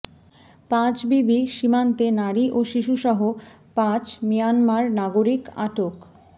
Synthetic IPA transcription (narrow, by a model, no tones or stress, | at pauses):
pãt͡ɕbibiʃimant̪enaɾiʔoʃiʃuʃɔɦo | pãt͡ɕmijanmaɾnaɡoɾika̰ʈok